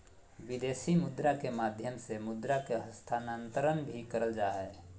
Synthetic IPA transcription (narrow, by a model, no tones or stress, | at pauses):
bid̪eːsimʊd̪ɾakemaːd̪ʱjəmsemʊd̪ɾakeɦəst̪ʰaːnant̪əɾənbʱikəɾəld͡ʒaːɦɛː